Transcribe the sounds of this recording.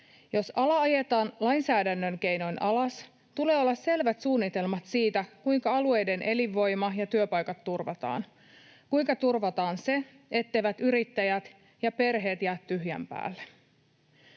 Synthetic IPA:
jo̞sɑlɑɑje̞t̪ɑːnlɑjnsæːdænːøŋke̞jno̞jnʔɑlɑs | t̪ule̞ːo̞lːɑsse̞lʋæt̪suːnːit̪e̞lmɑt̪siːt̪ækujŋkɑɑlue̞jde̞nʔe̞liʋːo̞jmɑjɑt̪yøpɑjkɑt̪ːurʋɑt̪ɑ̰ːn | kujŋkɑt̪urʋɑt̪ɑːnse̞ | et̪ːe̞jʋæt̪yɾit̪ːæjæt̪ | jɑpe̞rɦe̞ːt̪jæːt̪tyɦjæ̰mpæ̰ːlːe

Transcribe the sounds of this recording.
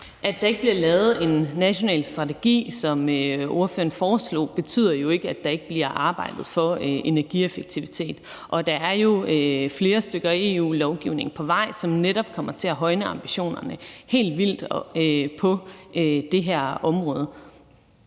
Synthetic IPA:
ʔædd̥ɑ̈e̝ɡ̥əb̥liɐlɛːʊð̞̩ˠe̝nːæɕo̝nɛ̰ːlsd̥ʁɑ̈t͡sʰe̝ɡ̥ḭːsɒ̽møo̝ɐfø̰ːɐn̩fɒːslɔ̰ːb̥e̝t͡sʰy̰ð̰ˠɐjo̝e̝ɡ̥əæd̥ɑ̈e̝ɡ̥əb̥liɐʔɑ̈ːb̥ɑ̈ɪ̰d̥ð̞̩ˠfɒ̽ʔe̝næɐɡ̥iefeɡ̥̚t͡sʰiʋit͡sʰe̝̰ːd̥ | ʔɒ̽d̥ɑ̈æɐjo̝øfle̝ːɐsd̥øɡ̥ɐæe̝ːṵːlɒʊɡ̥iʊ̰ne̝ŋ̩pʰɒ̽ʋɑ̈ɪ̰sɒ̽mneɾɒ̽b̥kʰɒ̽m̰ɐt͡sʰe̝æɦɒ̽ɪnəɑ̈mb̥iɕo̝̰ːnɐnəhe̝̰ːld̥ʋil̰d̥ɒøpʰɒ̽ød̥e̝ɦæɐ̰ɒ̽mʁɔ̽ːð̞ˠə

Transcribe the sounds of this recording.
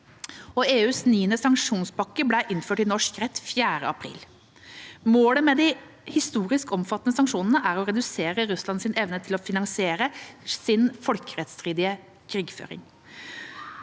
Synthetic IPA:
ɔeːʉːsniːənəsɑŋkʂuːnsbɑkːəblæɪʔɪnføːʈɪnɔʂkɾɛt̪ːfjæːɾə̰ɑpʰɾḭːl | moːləmɛd̪ɪ | hɪst̪uːɾɪskɔmfɑt̪ːnəsɑŋkʂuːnənəʔæɾɔɾɛd̪ʉseːɾəɾʉslɑnsɪnɛʋnət̪ʰɪlɔfɪnɑŋsɪeːɾəsɪnfɔlkəɾɛt̪st̪ɾiːd̪ɪə | kʰɾiːɡfø̰ːɾɪ̰ŋ

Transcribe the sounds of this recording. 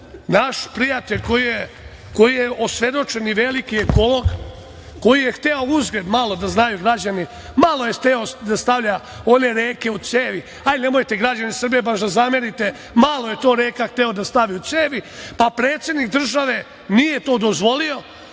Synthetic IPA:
naʃpɾijat̪eʎʲko̞jije | ko̞jijeosʋe̞d̪o̞t͡ʃe̞niʋe̞likieko̞lo̞ɡ | ko̞jijext̪eouzɡle̞d̪malo̞d̪aznajuɡɾad͡ʑani | malˠo̞jext̪eo̞d̪ast̪aʋʎa | o̞ne̞ɾeːke̞ut̪seːʋi | ajne̞mojt̪e̞ɡɾad͡ʑanisr̩bijebaʃd̪azameɾit̪e̞ | malˠoje̞t̪o̞ːɾeːkaxt̪eo̞d̪ast̪aʋiut̪seːʋipapɾeːt̪sjed̪nik̚d̪r̩ʒaʋe̞ | nijet̪o̞ːd̪o̞zʋo̞lio̞

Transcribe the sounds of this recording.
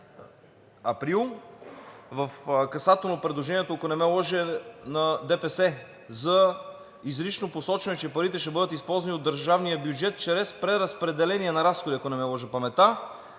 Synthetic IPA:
ɐpɾilˠ | vɐfkɐsat̪ɛlˠnopɾɛd̪lˠoʒɛniɛt̪oɐkonɛmɛlˠɔʒɛnɐd̪ɛpɛsɛ | zɐ | izɾit͡ʃnoposɔt͡ʃɛnɛt͡ʃɛpɐɾit̪ɛʃɛbɤd̪ət̪ispɔlˠzɐniod̪ːəɾʒavnijəbjud͡ʒɛt̪̚t͡ʃɾɛspɾɛɾɐspɾɛd̪ɛlɛniɛnɐɾasxod̪iɐkonɛmɛlˠɔʒɛpɐmɛt̪a

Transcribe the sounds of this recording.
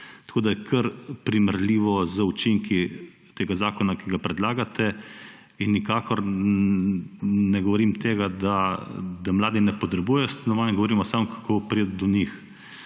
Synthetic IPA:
t̪ḁkoːd̪ajɛkʰəɾpɾiməɾlʲiːʋɔzəut͡ʃiŋki | t̪eːɡazaːkɔnakiɡapɾɛd̪laːɡat̪ɛ | inːikaːkɔɾ | nɛɡɔʋɔɾiːmt̪eːɡad̪ad̪amlaːd̪inɛpɔt̪ɾɛbujɛjɔst̪anɔʋaːnɛɡɔʋɔɾiːmɔsamɔkʰḁkʰoːpɾed̪d̪ɔnix

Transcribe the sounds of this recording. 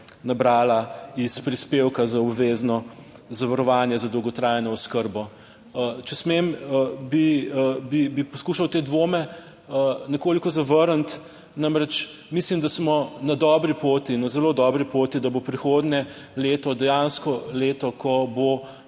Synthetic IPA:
nabɾaːlaispɾispewkazaɔbʋeːznɔ | zaʋɐɾɔʋaːnjɛzad̪ɔwɡɔt̪ɾajnɔɔskəɾbɔ | t͡ʃɛsmembibibipɔskuːʃɐwt̪eːd̪ʋoːmɛ | ənɛkoːlikɔzaʋəɾənt̪ | namɾɛt͡ʃ | mislimd̪asmɔnad̪ɔːbɾipoːt̪inazɛlod̪ɔbɾipot̪id̪abopɾixoːd̪nʲɛ | leːt̪ɔd̪ɛjanskɔleːt̪ɔkʰɔbo

